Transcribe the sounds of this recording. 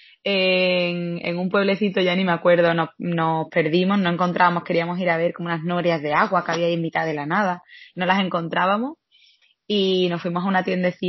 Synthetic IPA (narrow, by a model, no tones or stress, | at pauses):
eŋḛŋumpwe̞β̞le̞θit̪oʝanĩmakwe̞ɾðonono̞hpe̞ɾðimo̞znoe̞ŋko̞nt̪ɾaβamo̞hke̞ɾiamo̞siɾaβe̞ɾko̞mounaɦnoɾjazðe̞aɣwakaβiaiemit̪aðe̞lanað̞ano̞lase̞ŋko̞nt̪ɾaβamo̞s | ino̞fwimo̞ɦaunat̪je̞nd̪eθi